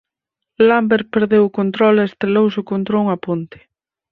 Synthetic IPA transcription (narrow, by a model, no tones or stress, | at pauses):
lambeɾpeɾðewʊkont̪ɾɔlest̪ɾelowsokont̪ɾouŋapunt̪e̥